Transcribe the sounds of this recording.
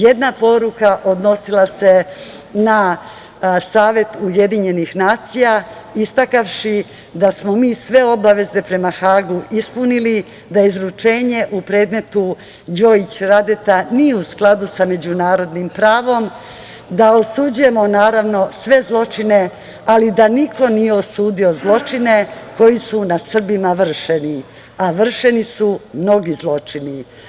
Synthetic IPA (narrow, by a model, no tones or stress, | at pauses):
jed̪napo̞ɾukaʔo̞d̪no̞silˠase̞ | na | saːʋje̞t̪uje̞d̪iɲe̞nixnaːt̪sija | ist̪akaʋʃi | d̪asmo̞miːsʋe̞o̞baʋe̞ze̞pɾe̞maxaːɡuʔispunili | d̪aizɾut͡ʂe̞ːɲe̞ʔupɾe̞ːd̪me̞t̪u | d͡ʑo̞it͡ɕɾad̪et̪anijeusklˠad̪usame̞d͡ʑunaːɾo̞d̪nimpɾaːʋo̞m | d̪aosud͡ʑuje̞mo̞naːɾaʋno̞sʋe̞zlˠo̞t͡ʃine̞ | alid̪aniko̞nije̞osuːd̪io̞zlˠo̞t͡ʂine̞ko̞jisunasr̩bimaʋr̩ʃeni | aʋr̩ʃe̞nisumno̞ɡizlˠo̞t͡ʂini